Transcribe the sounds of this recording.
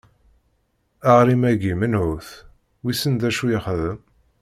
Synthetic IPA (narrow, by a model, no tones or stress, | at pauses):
aʁɾimæɡimənʕuθ | wisənðæʃujiχðəm